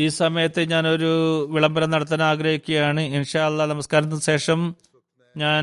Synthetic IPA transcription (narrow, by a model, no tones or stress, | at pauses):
iːsɐmɐjɐt̪ːeɲaːno̞ɾuʋiɭɐmbɐɾɐnɐɽɐt̪ːɐnɐaːɡɾɐhikʲːuɣɐjaːɳɨinʂaːɐlːɐnɐmɐskaːɾɐnːɨɕe̞ːʂɐm | ɲaːn